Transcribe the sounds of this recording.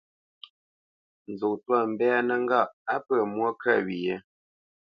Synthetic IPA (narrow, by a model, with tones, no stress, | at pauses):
n̩˨zo˨ʔtwa˦˨m̩˨bɛ˦a˦nə˦ŋ˦ɡa˦˨ʔa˦pə˦˨mwɔ˦ka˦˨ɥi˨jɛ˦